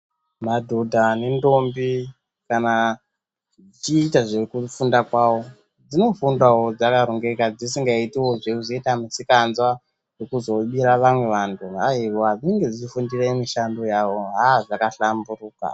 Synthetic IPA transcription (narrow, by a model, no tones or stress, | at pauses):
madʱodʱanendo̞mbi | kana | ʐit͡ʃiːtaʐekufundakwawo̞ | d͡zino̞fundawo̞d͡zakaɾoŋɡekad͡zisiŋɡaitiwo̞ʐekuzoitamisikanzwa | jekuzo̞ɓiɾaʋamwe̞ʋantʰuaiʋoɦad͡ziŋɡe̞d͡zifundiraimiʃando̞jao̞ɦaʐakaɬamburuːka̰